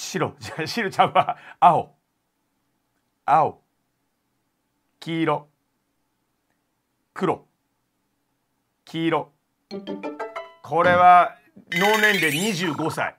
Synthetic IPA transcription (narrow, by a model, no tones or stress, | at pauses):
ɕiɾo̰d͡ʑaɕiɾot͡ɕãɰ̃aao | ao̰ | kʲiːɾo̞ | kɯ̟ɾo̞ | kʲiːɾo̞ | kʰo̞ɾe̞βa | no̞ːnẽ̞nd̪e̞ɲ̟iʑɨːɡo̞sa̰ḭ